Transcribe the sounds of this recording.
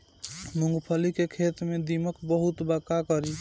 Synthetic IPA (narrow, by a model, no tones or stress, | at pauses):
mũŋɡpʰəlikekʰet̪med̪iməkbəɦut̪bəkakəɾi